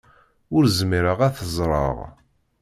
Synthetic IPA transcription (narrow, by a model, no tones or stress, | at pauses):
ʊɾzmiɾəʁæθəzˤɾˤɑ̰ʁ